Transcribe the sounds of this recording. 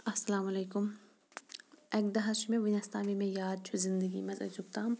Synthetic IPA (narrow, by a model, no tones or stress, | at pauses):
ɐsɐlaːmɐleːkʊm | ɛk̚d̪ɐɦɐʃmẽʋɐnɐst̪aːmimẽjaːd̪̚t͡ʃʰuzɪ̃nd̪əɡḭmɐzɐ̰d͡ʒuk̚t̪aːm